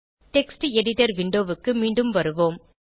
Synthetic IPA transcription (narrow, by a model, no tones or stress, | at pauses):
ʈɛksʈɛɽɪʈːɐɾʋɪɳɖoːʋɯkːɯmiːɳɖɯmʋɐɾɯʋoːm